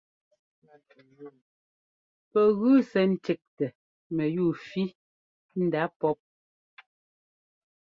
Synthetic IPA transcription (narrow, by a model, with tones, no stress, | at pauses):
pɛ˨ɣʉ˦sɛ˨n̩˦te˨k̚tɛ˨ | mɛ˨juː˦˨fi˦ | n̩˦da˨˦pɔ˦p̚